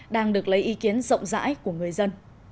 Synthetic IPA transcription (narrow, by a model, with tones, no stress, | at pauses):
ɗaː˧ŋɗɨ˨˩ək̚lə˨˦jʔi˨˦ki˨˦ənzə̰˧˨wŋ͡mza̰ː˧˥jku˧˩əŋɨ˨˩əjzə˧n